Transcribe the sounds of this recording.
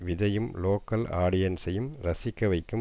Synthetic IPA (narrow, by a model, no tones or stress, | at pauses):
ʋɪðɐjɯmloːkɐlaːɽɪjɐnsɐjɯmɾɐsɪkːɐʋɐɪkːɯm